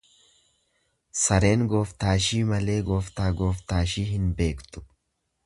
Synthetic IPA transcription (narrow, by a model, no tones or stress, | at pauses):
sɐɾe̞ːŋɡo̞ːft̪aːʃiːmɐle̞ːɡo̞ːft̪aːɡo̞ːft̪aːʃiːɦɪnbe̞ːkt̪ʊ̥